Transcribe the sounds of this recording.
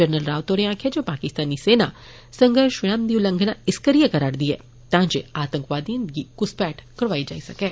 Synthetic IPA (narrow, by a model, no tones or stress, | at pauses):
d͡ʒəɾnəlɾaːʋt̪oːɾẽãːkʰed͡ʒoːpaːkɪst̪aːniseːna | sɐ̃ŋɡʱəɾʃʋɪɽãːmd̪iulə̃ŋɡʱnãɪskəɾijəkɐɾaːɽd̪iɦɛ̰ː | t̪ãːd͡ʒeaːt̪ə̃ŋkʋaːd̪iə̃nɡikʊspɛːʈʰkɐɽʋaːid͡ʒa̰ːisɐkɛː